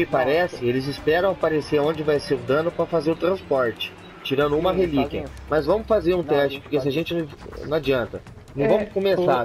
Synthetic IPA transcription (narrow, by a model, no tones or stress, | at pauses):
ɪpaɾɛsɪelɪzɪspɛɾɐ̃w̃apaɾeseɾõd͡ʒɪvajseɾʊd̪ɐ̃nʊpɾɐfazeɾʊt̪ɾɐ̃spɔɾt͡ʃɪ̥ | t͡ʃiɾɐ̃nd̪ʊũmɐɦelikɪɐ̰ | mɐzvɐ̃mʊfazeɾũt̪ɛst͡ʃɪ̥poɾkesɪaʒẽnt͡ʃɪñ | nɐ̰̃ad͡ʒiɐ̃nt̪ɐ | nɐ̃w̃vɐ̃mʊskõmessa